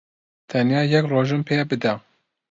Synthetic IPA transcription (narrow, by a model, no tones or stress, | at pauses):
t̪ʰɛnjɑːjɛkroːʒɨmpʰeːɛbɨd̪ɛ